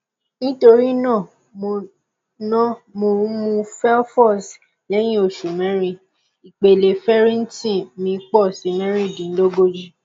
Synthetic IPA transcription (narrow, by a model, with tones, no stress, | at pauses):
nĩ˦to˧ɾi˦nã˦˨ | mo˧˨ | nɔ̃˦mo˧˦mũ˧fɛ˦ɔ˦fɔ˦˨s | lɛ˦j̃ĩ˦o˦˨ʃu˨mɛ̃˦ɾĩ˦ | i˨k͡pe˨le˨fɛ˦ɾĩ˦n̩˦tĩ˦˨mĩ˧˦k͡pɔ˦˨si˨˦mɛ̃˦ɾĩ˦˨dĩ˨n̩˦lo˦ɡo˦d͡ʒi˦